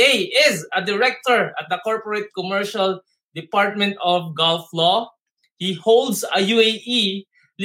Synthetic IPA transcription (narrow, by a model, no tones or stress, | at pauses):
ejɪzɐd̪ɪɹɛk̚t̪ɔɹɐt̪̚d̪ɐkɔɹpɔɹet̪̚kɔmɛɹʃal | d̪ɪpaɹt̪̚mɛ̃nt̪ɔfɡɔlflɔ | hihold̪sɐjueʔi | l